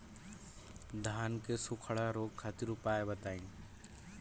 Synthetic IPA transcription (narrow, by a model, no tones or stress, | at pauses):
d̪ʱaːnkesʊkʰəɽaɾoːɡ̚kʰat̪ɪɾʊpaːebət̪aːĩn